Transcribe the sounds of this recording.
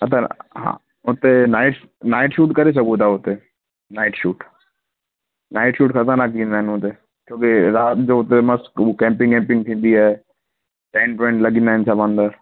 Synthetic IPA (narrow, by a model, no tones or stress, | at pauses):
ɐt̪ʰaɦã̰ː | ʊt̪enaːɪʈ | naːɪʈʃuːʈkɐɾes̬ɐkut̪ʰaːʊt̪e | naːɪʈʃuːʈ | naːɪʈʃuːʈkʰɐt̪ãnak̬ĩːnd̪aːɦɪnʊt̪e | kjõːkeɾaːt̪d͡ʒoːʊt̪emɐskukɛ̃ːmpɪ̃ŋkɛ̃ːmpɪ̃ŋɡ̚t̪ʰĩːn̆d̪iaːe | ʈeːnpɾɔ̃ɪɳʈləɡĩnd̪aːɦɪ̃nt͡ʃʰabãːnd̪əɾ